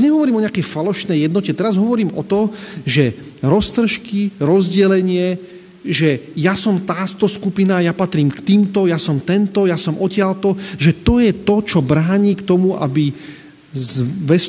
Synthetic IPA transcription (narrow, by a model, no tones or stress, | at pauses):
ɲɛɦɔʋɔɾiːmɔɲɛakɛjfalɔʃnɛjɛd̪nɔcɛt̪ɛɾazɦɔʋɔɾiːmɔt̪ɔʒɛ | ɾɔst̪r̩ʃkiɾɔzɟɛlɛɲɪɛ | ʒɛjasɔmt̪aːt̪ɔskupinajapat̪ɾiːmkt̪iːmt̪ɔjasɔmt̪ɛnt̪ɔjasɔmʔɔcɪalt̪ɔʒɛt̪ɔjɛt̪ɔt͡ʃɔbɾaːɲiːkt̪ɔmuʔa̰bi | zʋɛs